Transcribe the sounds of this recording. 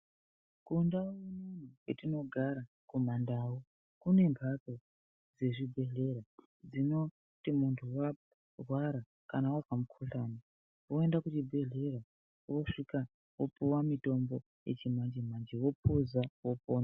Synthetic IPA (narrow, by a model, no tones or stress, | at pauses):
kundaumunuketino̞ɡʱaɾa | kumandaːwu | kune̞mbʰʱato | d͡ze̞ʐibʱe̞ɮe̞ɾa | d͡zino̞ | timuntʰuwa | rwaɾa | kanawakamukʰuɬana | wo̞e̞ndakut͡ʃibʱe̞ɮe̞ɾa | woʂika | wopuwamito̞mbo̞ | je̞̰t͡ʃimand͡ʒimand͡ʒiwo̞pʰuzawo̞poːna